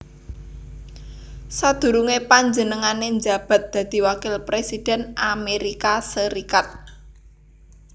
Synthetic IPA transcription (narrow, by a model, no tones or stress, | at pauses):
sad̪̥ṳɾuŋepaɲd͡ʒənəŋaneɲd͡ʒa̤b̥a̤t̪̚d̪̥ä̤d̪̥i̤wakɪlpɾesid̥ɛ̤nʔameɾikasəɾikat̪̚